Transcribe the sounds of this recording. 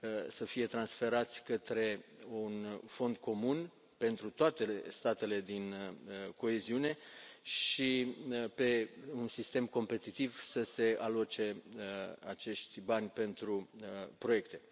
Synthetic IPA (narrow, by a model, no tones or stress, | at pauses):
səfije̞t̪ɾansfe̞ɾat̪sʲkət̪ɾe̞unfo̞nd̪̚kʰo̞mun | pe̞nt̪ɾut̪oat̪e̞st̪at̪e̞le̞d̪inəko̞eziune̞ʃipe̞unsist̪e̞mko̞mpe̞t̪it̪ivsəse̞alot͡ʃe̞əat͡ʃe̞ʃt̪ʲbanʲpe̞nt̪ɾuəpɾo̞je̞kt̪e̞